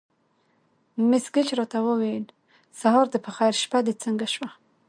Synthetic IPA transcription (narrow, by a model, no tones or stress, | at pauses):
mɪsɡət͡ʃɾɑt̪awəwejl | saɦɑɾd̪əpəxajɾʃpad̪et͡səŋɡaʃwa